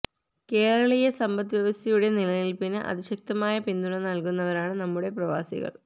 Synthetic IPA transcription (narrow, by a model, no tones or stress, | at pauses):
ke̞ːɾɐɭɐjesɐmbɐt̪ːʋjɐʋɐst̪ɐjuɽe̞nilɐjilpinːɨʔɐ̰ðiɕɐk̚t̪ɐmaːjɐpind̪uɳɐnɐlkunːɐʋɐɾaːɳɨnɐmːuɽe̞prɐʋa̰ːsḭɣɐ̰ɭ